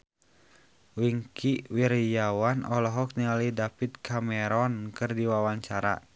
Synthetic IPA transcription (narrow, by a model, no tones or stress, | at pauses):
wiŋkʰiwiɾjawanɔlɔɦɔk̚nialihdapit̪̚kʰamɛɾɔnkɨrdiwawaɲt͡ʃaɾa̰